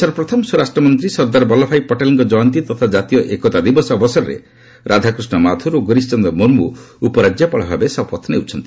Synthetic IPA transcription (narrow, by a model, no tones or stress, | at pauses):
sɔɾɔpɾɔt̪ʰɔmɔsuɾasʈɾɔmɔnt̪ɾisɔɾd̪aɾbɔlɔpʰajpɔʈaliŋkɔd͡ʒɔjnt̪̬it̪ɔt̪ʰad͡ʒat̪ijɔʔekɔt̪ad̪ibɔsːbɔsɔɾɔɾḛ | ɾʔad̪ʱakɾusnɔmat̪ʰuɾoɡɔɾist͡ʃɔnd̪ɔmoɾmuupɔɾad͡ʒjapɔɭɔbʱabesɔpɔt̪ʰnḛwt͡ʃʰɔnt̪ii̥